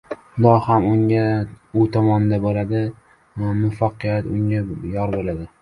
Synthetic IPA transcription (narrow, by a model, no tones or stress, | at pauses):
ʊd̪ɒhamʊŋʲaʊt̪ʰɒmɒnɪd̪abolad̪ɪ | mʊfaqʰːɨjat̪ʊŋʲajɒɾbolad̪ɪ